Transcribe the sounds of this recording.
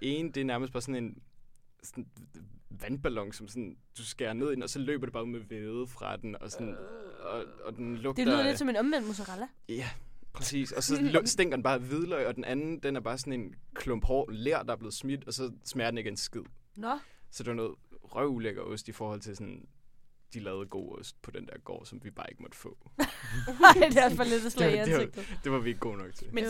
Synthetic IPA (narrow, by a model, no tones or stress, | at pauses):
e̝ːnd̥eæɐnæɐməsd̥b̥ɑːsɔ̽ne̝n | sn | ʋænb̥ælɒ̽ŋsɒ̽msɔ̽nd̥usɡ̥eɐne̝ð̞̰ˠid̥enɒ̽sɒ̽lø̰ːb̥ɐd̥eb̥ɑːmeʋeːðˠəfʁɑ̈d̥enɒ̽sɔnɒɒd̥enlɔ̽ɡ̥̚deɐled̥sɒ̽menɒmʋen̰d̥mus̬əʁɑl | jæpʰʁɛsḭːsɒ̽sɒsd̥eŋ̰ɡɐdenb̥ɑːʋið̞ˠlɒɪɒ̽d̥enʔænn̩d̥enæɐb̥ɑ̈ːs̬ɒ̽ne̝nkʰlɔmb̥hɒ̰ːenleɐ̰d̥ɑ̈æɐb̥le̝ːð̩ˠsmid̥ɒ̽sɒ̽smɛːɐdene̝ɡ̥əe̝nsɡ̥ið̞̰ˠnsɒ̽d̥e̝ʋɑnoːð̩ˠʁɶʊuleɡ̥ɐʔɔ̽sd̥ifɒːhɒ̽l̰t͡sʰe̝sɒ̽n | d̥ilɛːʊð̞̩ˠɡ̥o̝̰ːɔsd̥̚pʰɒ̽d̥end̥æɐɡ̥ɒ̰ːsɒ̽mʋib̥ɑ̈ːe̝ɡ̥mɒ̽d̥fɔ̰̽ː | ɑd̥eæfælːed̥slɛ̥ | d̥e̝ʋɑ̈ʋieɡ̥ːo̝̰ːnɒ̽ɡ̥̚t͡sʰed̥m